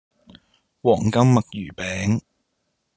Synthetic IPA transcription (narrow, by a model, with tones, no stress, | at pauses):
wɔː˨˩ŋkɐ˥mːɐ˨k̚jyː˨˩pɛː˨˥ŋ